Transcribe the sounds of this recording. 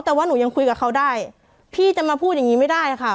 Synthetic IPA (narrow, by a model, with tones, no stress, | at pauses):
t̪ɛː˨˩waː˥˩nuː˩˦ɲa˧ŋkʰu˧jka˨˩kʰa˧˥˩wdaː˥˩j | pʰiː˥˩t͡ɕa˨˧˩maː˧pʰu˥˩t̪̚ja˨˩ŋiː˦˧ma˥˩jdaː˥˩ja˧˩kʰa˥˩